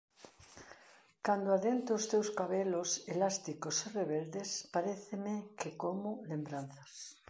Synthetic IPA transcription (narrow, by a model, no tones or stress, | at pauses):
kand̪oaðent̪ʊːst̪ewskaβeloselast̪ikosereβeld̪espaɾeθemekekomʊlembɾan̟θas